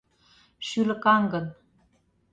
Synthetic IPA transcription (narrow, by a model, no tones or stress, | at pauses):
ʃylə̆kɑŋɡɤ̆n